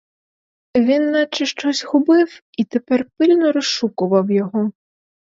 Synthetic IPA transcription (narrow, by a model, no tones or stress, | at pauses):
vʲinːat͡ʂɨʂt͡ʂɔsʲɣubɨf | it̪ɛpɛrpɨlʲnuɾɨʂukuvɐwjaɣɔ